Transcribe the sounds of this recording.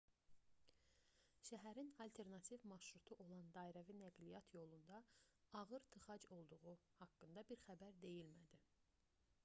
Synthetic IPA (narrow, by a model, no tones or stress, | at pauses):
ʃæɦæɾinɑlt̪ʰe̞ɾnɑt̪ʰivmɑʃɾut̪ʰuʔo̞lˠɑnd̪ɑːiɾævinæɡlijɑt̪ʰjo̞lˠund̪ɑɑɣɯɾt̪ʰɯχɑd͡ʒo̞lˠd̪uʁuhɑkːɯnd̪ɑbiɾχæbæɾd̪e̞jilmæd̪i